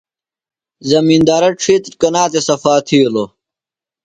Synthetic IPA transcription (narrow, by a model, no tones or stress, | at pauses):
zɐmind̪aːɾɐʈ͡ʂʰiːt̪ɾkɐnaːt̪esɐfaːt̪ʰiːlo